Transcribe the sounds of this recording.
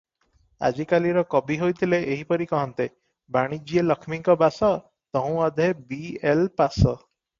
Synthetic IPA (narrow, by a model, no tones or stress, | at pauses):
a̰d͡ʒikaliɾɔkɔbiɦojt̪ʰileʔeɦipɔɾikɔɦɔnt̪e | baɽ̃id͡ʒielɔkʰmiŋkɔbasɔ | t̪ɔɦũɔd̪ʱebielpasɔ